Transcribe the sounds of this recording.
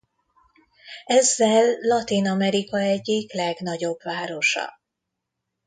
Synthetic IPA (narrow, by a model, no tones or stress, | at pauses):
ɛzːɛlːɒt̪inɒmɛɾikɒɛɟːiklɛɡn̪ɒɟo̞bvaːɾo̞ʃɒ̰